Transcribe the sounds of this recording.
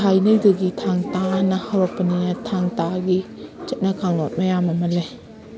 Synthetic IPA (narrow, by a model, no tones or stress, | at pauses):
ajnɐjdɐɡitʰaŋtanɐhawɾok̚pɐninɐtʰaŋtaɡit͡ʃɐt̚nɐkʰaŋlot̚mɐjamɐmɐle